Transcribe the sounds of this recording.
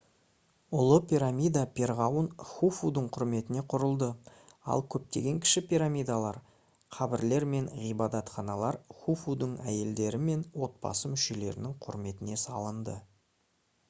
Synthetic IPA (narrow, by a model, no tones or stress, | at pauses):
ʊlˠəpʲiɾamʲijd̪apʲʰe̞ɾʁɑwənχufud̪əɴqʰʊɾme̞t̪ɪne̞qʰʊɾəlˠd̪ə | ɑ̰lˠkʲʰɵp̚t̪e̞ɡʲe̞ŋkʲʰɪ̥ʃɪpiɾamʲijd̪alˠɑɾ | qʰɑbɪɾle̞ɾme̞nʁijbɑd̪ɑt̪χɑnɑlˠɑɾχufud̪əɴæ̰je̞ld̪e̞ɾɪme̞nwo̞t̪̚bɑ̰səmʏʃe̞le̞̰ɾɪ̰nɪŋqʰʊɾme̞t̪ɪne̞sɑlˠənd̪ə